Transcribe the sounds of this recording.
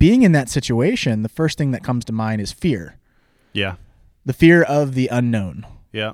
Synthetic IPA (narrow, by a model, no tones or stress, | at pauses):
b̥iɪ̃ŋɨ̃nðɨtsɪt͡ʃueɪʃɨ̃nðəfɜ˞st̚θɪ̃ŋðɨt̚kʰʌ̃mz̥tʰəmãɪ̃ɾ̃ɨz̥fɪɹ | jæ | ðɨfɪɹʌvðiʔə̃nːõʊ̃njæ